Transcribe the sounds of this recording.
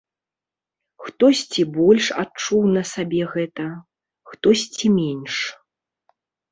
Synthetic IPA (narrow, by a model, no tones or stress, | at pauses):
xt̪ɔsʲt͡sʲibɔlʲʂat͡ʂuwnɐsabʲɛɣɛt̪ɐ | xt̪ɔsʲt͡sʲimʲɛnʲʂ